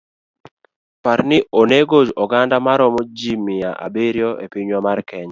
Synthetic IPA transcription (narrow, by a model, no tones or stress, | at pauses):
paɾnɪʔoneɡod͡ʒɔɡandamaɾɔmod͡ʒimɪjaʔa̰beɾjɔʔḛpɪɲwamarkɛɲa